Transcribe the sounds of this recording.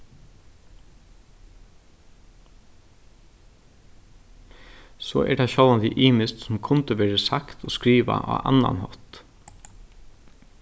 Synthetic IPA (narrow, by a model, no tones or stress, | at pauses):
so̰ːʔɛʈɛʃɔlʋant̪ɪʔiːmɪst̪sʊmkʰʊnt̪əʋeːɹəsakt̪ʰoːskɹiːʋa̰ʔɑ̰ːʔɑ̰na̰nhɔt̪